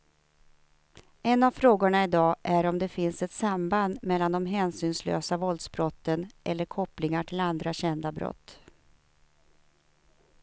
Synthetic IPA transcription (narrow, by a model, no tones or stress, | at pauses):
ɛnːavfɾoːɡʊɳaɪd̪ɑːʔæɾɔmd̪ɛfɪnsɛt̪samband̪mɛlːand̪ɔmɦɛːnsyːnslø̰ːsavɔld̪sbɾɔt̪ːənʔɛlːəɾkʰɔplɪŋaʈʰɪland̪ɾaɕɛnd̪abɾɔ̰t̪ː